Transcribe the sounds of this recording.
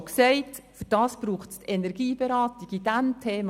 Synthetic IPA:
ksɛɪtfyɾd̥ɑːsb̥ɾuːχttʰɛnɛɾɡ̥iːb̥eɾɑːtiɡid̥æmtʰeːm

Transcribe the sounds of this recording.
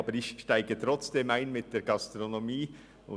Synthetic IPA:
bəɾɪçʃtaɪɡ̥ət̪ɾɔt͡sd̥eːmaɪnmɪt̚d̥eːɾɡ̥ɑst̪ɾonomiː | ʊ̰

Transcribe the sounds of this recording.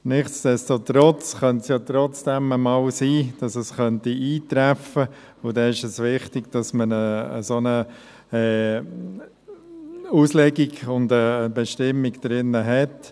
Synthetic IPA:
nɪχsd̥ɛstotɾɔt͡sχœntsjɑːt̪ɾɔt͡sd̥ɛməmɑlsiːd̥ɑsəsχœntiʔiːt̪ɾæfə | ʊldɛnɪʃəsʋɪχtiɡ̥d̥ɑsmənə̰ːsonə | ɛː | uːslɛɡiɡʊndəbɛʃtɪmiɡd̥ɾɪnːəɦɛt

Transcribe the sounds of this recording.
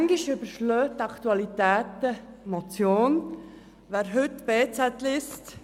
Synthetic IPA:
ŋɡiʃʏbəɾʃløːtːɑkʰt̪uɑlit̪æːt̪əmot͡sjoːn | ʋæːɾɦʏtːb̥eːt͡sɛtlɪst

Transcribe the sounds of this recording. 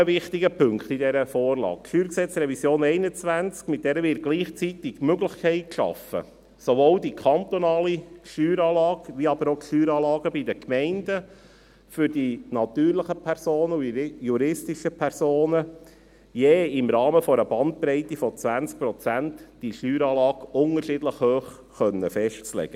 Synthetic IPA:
vɪχt̪ɪɡəpʰʏŋkχt̪idɛɾəfɔːɾlɑ̰ːkʃyːɾksɛt͡srɛvisjoːnɛɪnət͡sʋænt͡skmɪt̪̚d̥ɛɾəʋɪːɾ̚ɡ̥liːχt͡sit̪ɪɡ̥møɡlɪχkʰɛɪt̚kʃɑ̰fə̰ | soʋoːldikʰɑnt̪onɑːliʃtyːɾɑːlɑːɡʋiɑb̥əɾokʃyːɾɑːlɑːɡəbidəkmɛɪndə | fʏɾd̥inɑt̪yːɾləχəpʰɛɾsoːnəujuɾɪstiʃəpʰɛɾsoːnə | jeːɪmɾɑːməfɔɾəb̥ɑnt̪̚pɾɛɪt̪ifɔt͡sʋænt͡sk̚pɾɔt͡sæntd̥iʃtyːɾɑːlɑːɡʊŋəɾʃɪdləχhøːχːœnːəfɛʃtt͡slɛ̰ɡ̥ə

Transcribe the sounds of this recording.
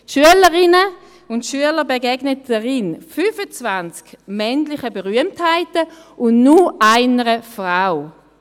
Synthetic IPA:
tʃyələʁɪnə | ʊntʃyələʁbeɡɛɡnətd̥əʁɪnfyːfət͡svant͡skmɛnlɪχəbeʁyəmthaɪtəʊndnuʔaɪnəʁəfʁaʊ

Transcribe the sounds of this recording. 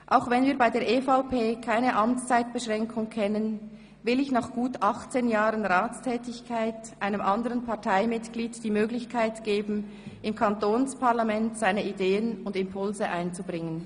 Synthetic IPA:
ʔaʊxvɛnviːɐbaɪdeːɐʔeːfaʊpʰeːkʰaɪnəʔɑmt͡st͡saɪt̚b̥əʃʁɛŋkʰʊŋkʰɛnən | vɪlɪçnaːχɡ̥uːtɑχt͡seːnjaːʁənʁaːt͡stʰɛːtɪçkʰaɪtʔaɪnəmʔɑndəʁənpʰɑtʰaɪmɪtɡ̥liːdd̥iːmøːɡlɪçkʰaɪtɡ̥eːbn̩ | ʔɪmkʰantoːnspʰaɐlamɛntz̥aɪnəideːənʊndɪmpʰʊlzəʔaɪnt͡subʁɪŋən

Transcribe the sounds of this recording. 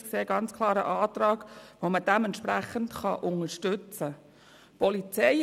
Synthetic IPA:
kseːɡɑnt͡skʰlˠɑːɾə̰ʔɑːt̪ɾɑːɡ̥ʋoməd̥ɛmɛnt̪ʃpɾæχəntχɑʔʊŋəɾʃtɵt͡sə | pɔlit͡sɛɪ

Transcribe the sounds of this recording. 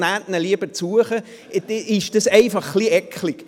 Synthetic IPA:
nætnəliəb̥ət͡suəχə | d̪ɛʔɪʃd̥ɑsɛɪfɑχːliɛkχlik

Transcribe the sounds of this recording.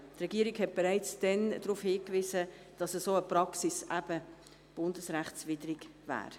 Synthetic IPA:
trɛɡiːəɾiɡhɛt̚b̥eɾaɪt͡sd̥ɛndɾuːfhiːkvisə | d̥ɑsəsoːəpɾɑksisæb̥ə | b̥ʊndəsɾæχt͡svidəɾiɡvæ̰ːɾ

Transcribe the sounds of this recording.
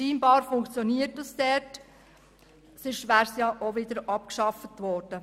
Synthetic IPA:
ʃiːmbɑːɾfʊŋkt͡sjɔniːɾtəstɛɾt | sɪʃʋæɾsjɑʔoʋɪd̥əɾɑp̚kʃɑfətʋɔːɾd̥ə

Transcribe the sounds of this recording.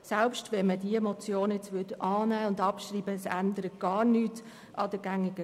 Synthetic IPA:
sɛlpʃtʋɛnmədiəemot͡sjoːnɛt͡sʋʏdʔɑːnæːʊndɑpʃɾiːbəsændəɾət̚ɡ̥ɑːɾnyːt | ʔɑd̥əɡ̥æŋɪɡə

